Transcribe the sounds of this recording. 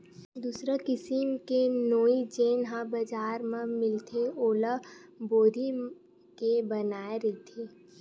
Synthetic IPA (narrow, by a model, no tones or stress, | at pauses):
d̪uːsɾakɪsimkenoːid͡ʒeːnɦãbəd͡ʒaːɾmẽmɪlt̪ʰeoːləboːd̪ʱi | kebɐnaːeɾɛɦt̪ʰeː